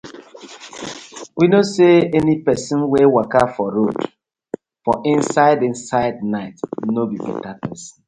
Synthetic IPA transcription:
winoseɛnipɛsĩnwewakafɔɾod | fɔʔĩnsaɪdĩnsaɪdnaɪtnobibɛ̰tapɛsn

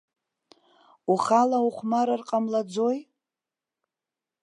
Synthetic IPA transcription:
uχalauχʷmaɾarqʼamlad͡zoj

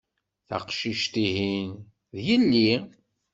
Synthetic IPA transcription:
θɑ̰qʃiʃt̪iɦin | ðjəlːi

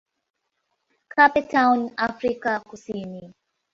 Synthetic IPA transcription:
kʰapɛtawnafɾikakusini

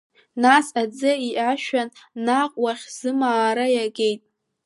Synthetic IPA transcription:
nasad͡zɨiʔaʃᶣanːaqʼwaχʲz̥ɨmaːɾajaɡʲe̞jtʼ

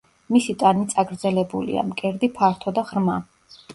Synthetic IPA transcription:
misit̪ʼanit̪sʼaɡɾd̪zɛlɛbṵlḭa̰mkʼɛɾd̪ipʰaɾt̪ʰɔd̪aʁɾma

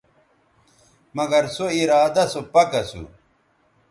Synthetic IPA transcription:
mɐɡɐɾsoiɾaːd̪ɐsopɐkɐsṵ

